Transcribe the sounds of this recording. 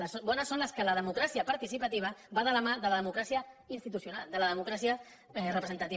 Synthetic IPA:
əsobɔnəsːonləskələð̞əmukɾasiəpaɾt̪isipət̪iβ̞əbaðələmaðələðəmukɾasiəinst̪it̪usjunald̪ələðəmukɾasiə | rəpɾəzənt̪ət̪i

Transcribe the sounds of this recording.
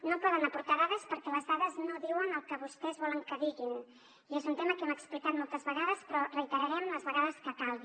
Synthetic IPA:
nopɔðənəpuɾt̪aðaðəspəɾkɛləzðaðəznoðiwənəlˠkəβust̪ɛzβɔləŋkəðiɣin | iezunt̪eməkɛməksplikat̪mɔlˠt̪əzβəɣaðəspɾɔrəit̪əɾəɾɛmləzβəɣaðəskəkalˠɣi

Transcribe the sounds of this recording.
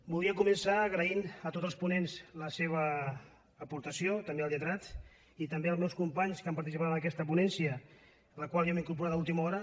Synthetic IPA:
bulˠiəkumənsaːɣɾəinət̪ot̪zəlˠspunenzləseβ̞əː | puɾt̪əsjot̪əmbelˠjət̪ɾat̪ | it̪əmbeəlˠzmɛwskumpaɲskampaɾt̪isipat̪ənəkɛst̪əp̬unɛnsiə | ləkwalˠjomiŋkuɾp̬uɾat̪aulˠt̪iməɔɾə

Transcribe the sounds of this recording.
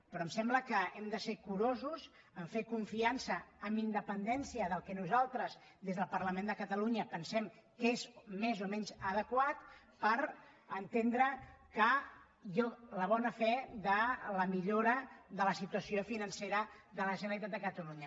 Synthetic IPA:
pɾɔəmsɛmbləkəɛmd̪əsekuɾozuz | əɱfekuɱfiansəːmind̪əpənd̪ɛnsiəðəlˠkɛnuzalˠt̪ɾəz | ðezðəlˠpəɾləmend̪əkət̪əluɲəpənsɛmkezmezomɛɲzəðəkwat̪ | pəɾ | ənt̪end̪ɾəkə | jɔləβɔnəfɛðələmiʎoɾəðələsit̪uəsiofinənseɾəðələʒənəlit̪at̪d̪əkət̪əluɲə

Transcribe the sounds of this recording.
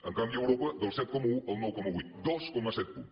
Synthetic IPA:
ɐ̃ŋkãmiewɾɔpɐd̪owsɛt̪̚kɔmɐũɐwnɔwkɔmɐujt̪d̪ɔskɔmɐsɛt̪̚u

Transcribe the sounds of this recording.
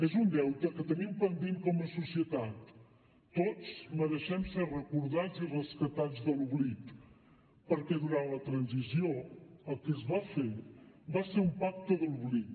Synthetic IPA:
ezund̪ɛwt̪əkət̪ənimpənd̪imkɔməsusiət̪at̪ː | ot͡sməðəʃɛmserəkuɾðad͡zirəskət̪ad͡zðəluβlit̪ | pəɾkɛðuɾanlət̪ɾənzizioəlˠkəzβafeɾ | baseɾumpak̚t̪əðəluβlit̪̚

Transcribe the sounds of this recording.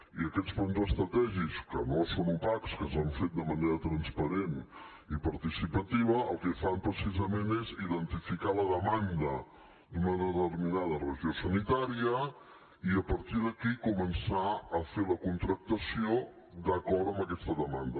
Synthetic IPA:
iəkɛt͡spunzəst̪ɾət̪ɛʒikskənosonupakskənsəɱfet̪̚d̪əməneɾət̪ɾənspəɾen | ipəɾt̪isipət̪iβəəlˠkɛfampɾəsizəmeneziðənt̪ifikaləðəmand̪ə | d̪unəðət̪ərminaðərəʒiosənit̪aɾiə | iəpəɾt̪iðəkikumənsaəfeləkunt̪ɾək̚t̪əsio | d̪əkɔɾt̪əmbəkɛst̪əðəmand̪ə

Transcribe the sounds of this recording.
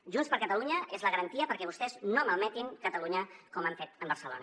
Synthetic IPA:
ʒunspəɾkət̪əluɲəezləɣəɾənt̪iəpəɾkɛβust̪ɛznoməlˠmɛt̪iŋkət̪əluɲəkɔmaɱfet̪əmbəɾsəlo̰nə

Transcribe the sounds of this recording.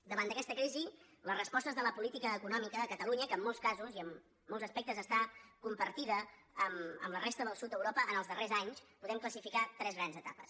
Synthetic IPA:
d̪əβand̪əkɛst̪əkɾizi | lərəspɔst̪əzðələpulit̪ikəːkunɔmikəðəkət̪əluɲəkəːmːɔlˠskazuziəmː | ɔlˠzəspɛk̚t̪əzəst̪akumpəɾt̪iðəəmə̰mlərɛst̪əðəlˠsut̪̚d̪əwɾopəənəlˠzðərezaɲspuðɛmkləsifikat̪ɾɛzɣɾanzət̪a̰pə̰s

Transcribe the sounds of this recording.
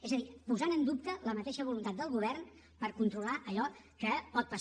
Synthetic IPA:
ezəðipuzanənd̪up̚t̪ələmət̪eʃəβulunt̪at̪̚d̪əlˠɣuβ̞ɛrn | pəɾkunt̪ɾulaʔəʎɔ | kəpɔt̪̚pəs

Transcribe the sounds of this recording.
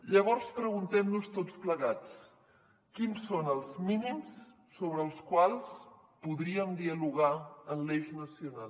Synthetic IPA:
ʎəβ̞ɔɾspɾəɣunt̪ɛmnust̪ot͡spləɣat͡s | kinsonəlˠzminims | soβɾəːlˠskwalˠs | puðɾiəmd̪iəluɣaənleznəsiuna

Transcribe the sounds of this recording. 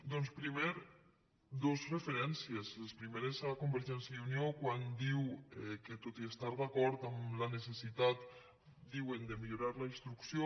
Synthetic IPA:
d̪ɔnspɾiβeɾ | d̪ozrefeɾɛnsiezlespɾimeɾezakumbeɾʒɛnsjaðuniokwand̪iwɛket̪ot̪iest̪aɾðakɔɾt̪amlanesesit̪at̪ | d̪iwend̪emiʎuɾaɾlainst̪ɾuksjo

